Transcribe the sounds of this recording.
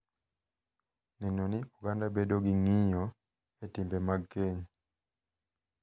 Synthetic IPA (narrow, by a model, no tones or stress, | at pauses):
nɛnoniuɡandabedoɡiŋiɲɔ | etimbemaɡkːeɲ